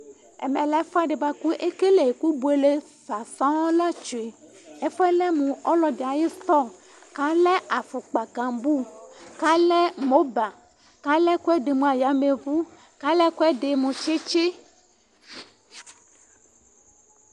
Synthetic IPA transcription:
ɛ̰˨mɛ̃˨lɛ˦fɔ˦a˦ɖe˨ba˨ku˦ʔe˦ke˦le˨ku˦bu˨e˨le˦ | fa˨sã˦ɔ˦la˦t͡ʃo˨e˨ | ɛ˦fɔ˦ɛ˦lɛ˦mũ˨ɔ˦lɔ˦ɖe˨a˨je˦t̪ɔ˦ | ka˦lɛ˦a˨fo˨k͡pa˨kã˨mbu˦ka˦lɛ˦mo˦ba˨ | ka˦lɛ˦ku˦ɛ˦ɖe˨mũ˨a˨ja˨me˨vu˦ | ka˦lɛ˦ku˦ɛ˦ɖe˨mũ˨t͡ʃe˦t͡ʃe˦

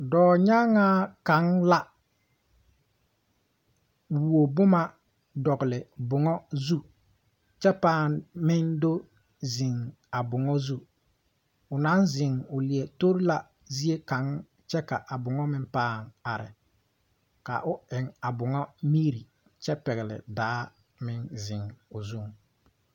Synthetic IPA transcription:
dɔː˨ɲa˦ŋaː˦ka˨˦ŋla˦ | wu˨o˨bʊ˦ma˦ | dɔ˨ɡʊ˨lɪ˨bʊ˨ŋɔ˦zu˦ | t͡ʃɛ˦paː˦˨nmɪ˦ndo˦ | zɪ˨ŋ | a˨bʊ˨ŋɔ˦zu˦ | ʊ˨na˨˦nzɪ˨ŋʊ˨li˨e˨to˦ɾi˦la˨ | zi˦e˦ka˨˦ŋ | t͡ʃɛ˦ka˨ʔa˨bʊ˨ŋɔ˦mɪ˦mpaː˦˨ŋa˨ɾɪ̰˨ | ka̰˨ʔʊ˦ɪ˨ŋa˨bʊ˨ŋɔ˦mi˦ɾi˨ | t͡ʃɛ˦pɛ˨ɣɪ˨lɪ̰˨daː˨˦ | mɪ˦ŋzɪ˨ŋʊ˨zu˦ŋ

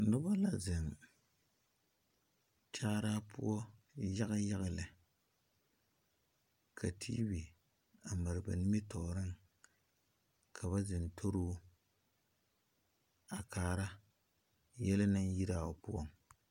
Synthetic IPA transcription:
nʊ˦ba˦la˨zɨ˨m | t͡ʃaː˦ɾaː˦pʰʊ̰˦ɔ˦ja˦ɣa˦ja˦ɣa˨lɨ˨ | kʰa˨tʰḭː˦bi˨ | a˨˦mɨ˨ɾɨ˨ba̰˨nɪ˦mi˦tɔ˨ɾɨ˦ŋ | kʰa˨βa˦zɨ˨ntʰo˦ɾuː˦ | a˨kaː˨ɾa˦ | jɛ˦la˦nɨ˦ŋ˦ji˦ɾaː˦˨o˨pṵ˦ɔ˦ŋ

